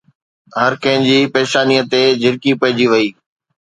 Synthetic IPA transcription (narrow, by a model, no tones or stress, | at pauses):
ɦɐɾkɐ̃ɦɪ̃nd͡ʑiːpeːʃaːniːət̪ed͡ʑɪɾkipɐɦɪd͡ʑiʋɐiː